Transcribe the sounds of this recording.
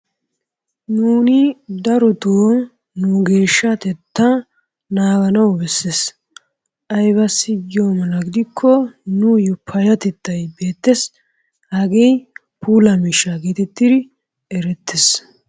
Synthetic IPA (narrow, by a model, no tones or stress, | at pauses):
nuːnɪd̪ɐɾɔt̪oː | nʊɡe̞ːʃːɐt̪ɛt̪ːɐ | naːɡɐnɐwbɛsːes | ʔɐjbɐsːɪjoːmɐlɐɡɪd̪ɪkʰːɔnʊjɔpʰːɐjɐt̪ɛt̪ːɐjbe̞ːt̪ːɛs | hɐɡej | puːlɐmiʃːɐɡeːt̪ɛt̪ːɪd̪ɪ | ɛɾɛt̪ːɪs